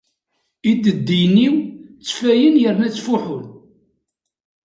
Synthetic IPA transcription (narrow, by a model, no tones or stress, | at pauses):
id̪əd̪ːijniwt͡sːfæjənjəɾnæt͡sːfuħʊn